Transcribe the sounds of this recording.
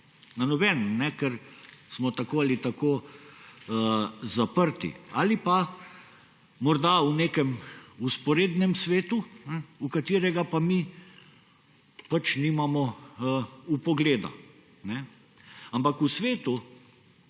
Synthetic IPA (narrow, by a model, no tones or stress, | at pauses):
nanɔbɛːnnɛkɛɾsmɔt̪akoːalit̪akoː | zapəɾt̪ḭalipa | mɔɾd̪auneːkɛmuspɔɾeːd̪nɛmsʋeːt̪unɛukat̪iːɾɛɡapami | pat͡ʃniːmamɔəupɔɡleːd̪a̰ | nɛ | ampakusʋeːt̪u